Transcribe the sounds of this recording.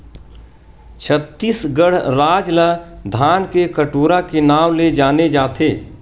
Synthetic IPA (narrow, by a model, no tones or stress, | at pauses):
t͡ʃʰət̪ːiːsɡəɽ̤ɾaːd͡ʒləd̪ʱaːnkekəʈoːɾakenaːwled͡ʒaːned͡ʒaːt̪ʰeː